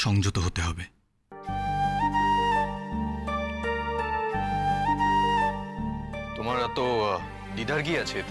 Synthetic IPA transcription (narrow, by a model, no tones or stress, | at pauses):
ʃɔŋd͡ʑot̪oɦot̪eɦɔbe | t̪omaɾat̪o | ɖid̪aɾɡiat͡ɕʰet̪